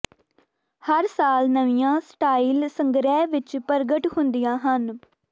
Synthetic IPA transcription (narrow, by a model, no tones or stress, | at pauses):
həɾsaːlnəʋijãːsʈaːiːlsəŋɡɾɛːʋɪt͡ʃpəɾɡəʈhʊnd̪ijãːɦən